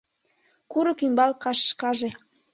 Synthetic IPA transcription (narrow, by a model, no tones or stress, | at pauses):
kuɾɤ̆kymbɑlkɑʃʃkɑʒe